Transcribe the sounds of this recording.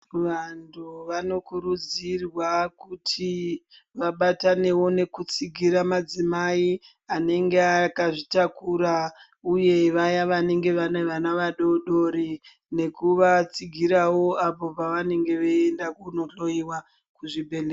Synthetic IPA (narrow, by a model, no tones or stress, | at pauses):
ʋantʰuʋano̞kuɾud͡zirwakutʰi | ʋaɓatane̞wo̞ne̞kut͡siɡʱiɾamad͡zimai | ane̞ŋɡeakaʐitakuɾa | uje̞ʋajaʋane̞ŋɡe̞ʋaneʋanaʋaɗo̞ɗo̞ɾi | ne̞kuʋat͡siɡʱiɾawo̞apo̞paʋane̞ŋɡe̞ʋeendakuno̞ɬo̞iwa | kuʐibʱe̞lea